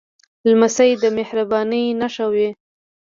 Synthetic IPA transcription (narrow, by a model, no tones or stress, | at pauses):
lmasajd̪əmɪhɾabɑnəjnaʃawe